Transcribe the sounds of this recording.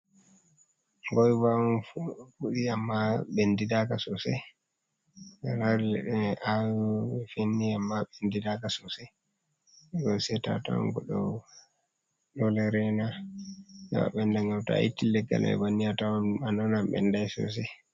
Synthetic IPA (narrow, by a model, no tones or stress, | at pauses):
ŋɡɔjvaɔnfuɗiamːaɓendidakasɔsɛ | alaɾɛɗɛawfenːiamːaɓendidakasɔsɛ | ɡɔjsɛta̰ta̰wɔ̰nɡɔɗɔ | ɗɔlɛɾɛna | j̰wa̰ɓɛndaŋawta̰itːilɛɡːa̰lɛ̰ɛ̰banːiatawɔnanɔnamɓɛ̰ndajsɔ̰s̬ɛ